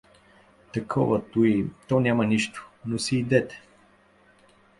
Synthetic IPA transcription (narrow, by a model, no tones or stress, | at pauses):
t̪ɐkʰɔvət̪uit̪ɔnʲamɐniʃt̪ʊ̥nosiːd̪ɛt̪ɛ̥